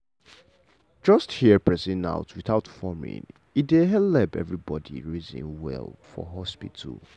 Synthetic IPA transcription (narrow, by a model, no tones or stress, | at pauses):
d͡ʒʌsthiəpɹɛsĩna̰ʊtʰwiθaʊtfɔmɪ̰̃n | itdeɦɛlɛpɛ̰vɹibɔdḭɹizḭ̃nwɛ̰lfɔ̰ɦɔspitʰə̰lˠ